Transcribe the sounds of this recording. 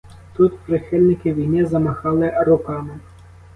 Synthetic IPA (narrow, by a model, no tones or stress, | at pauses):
t̪ut̪pɾɪxɪlʲnɪkɪʋʲijnɪzɐmɐxɑlˠɪɾʊkɑmɪ